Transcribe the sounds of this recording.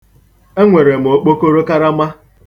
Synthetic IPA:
e˦ŋʷe˨ɾe˨m̩˨o˨˦k͡po˦ko˦ɾo˦ka˦ɾa˦ma˦

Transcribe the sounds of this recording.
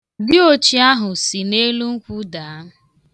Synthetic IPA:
dɪ˦o˦t͡ʃi˦a˦ɦʊ˨si˨ne˦lu˦ŋ̩˦kʷu˦daː˨˦˨

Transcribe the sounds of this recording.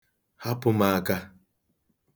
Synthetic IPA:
ha˦pʊ˨ma˨a˨ka˦

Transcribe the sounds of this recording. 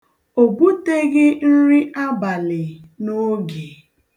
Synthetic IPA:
o˨bu˦te˦ɡɪ˦n̩˦ɾi˦ʔa˦ba˨lɪ˨no˦ɡe˨

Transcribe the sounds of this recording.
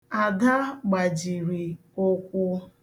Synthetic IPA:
a˨da˦ɡ͡ba˨d͡ʒi˨ɾi˨ | ʊ˦kʷʊ˦

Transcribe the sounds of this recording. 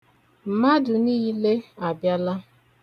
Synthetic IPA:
m̩˨ma˦dʊ˨niː˦le˦a˨bja˦la˦

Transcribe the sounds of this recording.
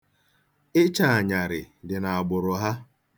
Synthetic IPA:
ɪ˦t͡ʃa˨a˨ɲa˨ɾɪ̰˨ | dɪ˨na˨a˨ɡ͡bʊ˨ɾʊ˨ɦa˦

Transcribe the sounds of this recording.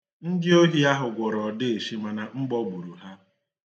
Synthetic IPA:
ŋ̩˦dɪ˦o˦ɦi˦a˦ɦʊ˨ɡʷɔ˨ɾɔ˨dɪ˦e˨ʃi˦ma˨na˨ŋ͡m̩˦ɡ͡bɔ˦ɡ͡bu˨ɾu˨ɦa˦

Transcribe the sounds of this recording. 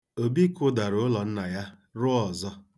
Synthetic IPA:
o˨bi˦kʊ˦da˨ɾʊ˨˦lɔ˨n̩˦na˨ja˦ | ɾʊ˦ɔ˨zɔ˦

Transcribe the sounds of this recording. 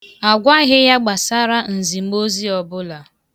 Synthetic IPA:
a˨ɡʷa˦ɣɪ˦ja˦ɡ͡ba˨sa˦ɾa˦n̩˨zi˨˦ɡ͡bo˦zi˦ɔ˨bʊ˦la˨

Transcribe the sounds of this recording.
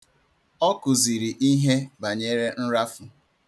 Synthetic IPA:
ɔ˦kʊ˨zi˨ɾi˨ʔi˦ɦe˦ba˨ɲe˦ɾe˦n̩˦ɾa˦fʊ˨

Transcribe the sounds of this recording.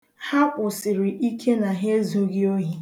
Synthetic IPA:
ha˦pʊ˨sɪ˨ɾɪ˨ʔi˦kʰe˦na˨ɦe˦zo˦ɡi˦o˦ɦi˦

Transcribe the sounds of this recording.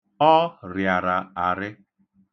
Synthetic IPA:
ɔ˦ɾja˨ɾa˨a˨ɾɪ˦

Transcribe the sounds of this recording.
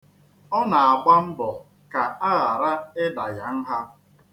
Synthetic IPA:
ɔ˦na˨a˨ɡ͡ba˦m̩˦bɔ˨ | ka˨a˦ɣa˨ɾa˦ɪ˦da˨ja˦n̩˦ɦa˦

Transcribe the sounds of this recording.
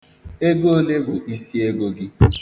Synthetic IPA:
e˦ɡo˦le˦ɡʊ˨ʔi˦si˦e˦ɡo˦ɡɪ˦

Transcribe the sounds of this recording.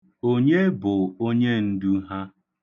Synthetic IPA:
o˦ɲe˦bʊ˨o˦ɲe˦n̩˦du˦ɦa˦

